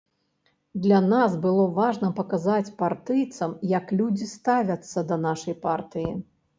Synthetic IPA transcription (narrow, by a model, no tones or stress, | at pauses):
d̪lʲanasbɨlˠɔvaʐnɐpɐkazat͡sʲpart̪ɨjt̪sɐmjɐklʲud͡zʲist̪avʲɐt̪sːɐd̪ɐnaʂɐjpart̪ɨji